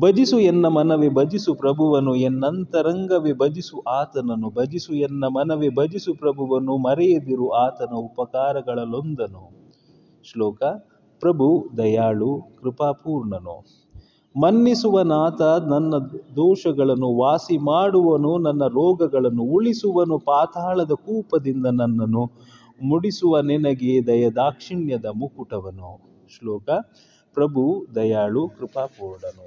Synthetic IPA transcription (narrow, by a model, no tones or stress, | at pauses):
bɐd͡ʒisuɛnːɐmɐnɐʋebɐd͡ʒisupɾɐbʱuʋɐnuɛnːɐnt̪ɐɾɐŋɡɐʋebɐd͡ʒisuʔaːt̪ɐnɐnubɐd͡ʒisuɛnːɐmɐnɐʋebɐd͡ʒisupɾɐbʱuʋɐnːumɐɾɛjɐd̪iɾuaːt̪ɐnɐupɐkaːɾɐɡɐɭɐlo̞nd̪ɐnu | ʂlɔːkɐ | pɾɐbʱud̪ɐjaːɭukɾipaːpuːɾɳɐnṵ | mɐnːisuʋɐnaːt̪ɐnɐnːɐd̪ɔːʃɐɡɐɭɐnːuʋaːsimaːɽuʋɐnunɐnːɐɾɔːɡɐɡɐɭɐnːuuɭisuʋɐnupaːt̪aːɭɐd̪ɐkuːpɐd̪ind̪ɐnɐnːɐnːu | muɽisuʋɐnɛnɐɡed̪ɐjɐd̪aːkʂiɳjɐd̪ɐmukuʈɐʋɐnu | ʂlɔːkɐ | pɾɐbʱud̪ɐjaːɭukɾipaːpuːɾɳɐnu